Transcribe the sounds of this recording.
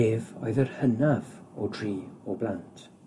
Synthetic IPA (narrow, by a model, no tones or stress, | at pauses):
eːvɔ̰jðərhənavɔtʰriːɔblˠantʰ